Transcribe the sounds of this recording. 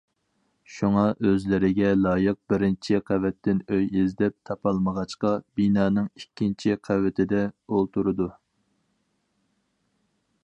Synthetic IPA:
ʃuŋɑʔøzlɪɾɪɡʲɛlˠɑːjəq̚bɪɾɪnt͡ʃʰiqʰævɛt̪ːɪnøjizd̪ɛp̚t̪ʰɑpʰɑlˠməʁɑt͡ʃqɑbinɑːnɨŋikʲʰːint͡ʃʰiqʰævɪt̪ʰɪd̪ɛolˠt̪uɾɨd̪u

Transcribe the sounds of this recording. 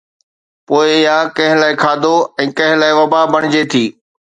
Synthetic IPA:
poːɪɪɦãkɐ̃ɦɪ̃laːɪkʰaːd̪ʱoɛ̃ːkɐ̃ɦɪ̃laːɪʋɐbabɐɽ̃ɪd͡ʑet̪ʰiː

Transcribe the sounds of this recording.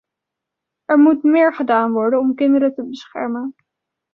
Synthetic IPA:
ɛɹmutmɪːɹχədaːnʋɔɹdənɔmkɪndəɾətəbəsχɛ̰ɹmən

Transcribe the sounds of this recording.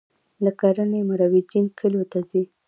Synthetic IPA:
lakaɾanemaɾawid͡ʒinkʰəlot̪azi

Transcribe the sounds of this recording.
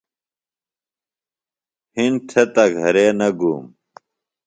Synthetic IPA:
hinʈʰet̪ɐɡʱɐɾeːnɐɡuːm

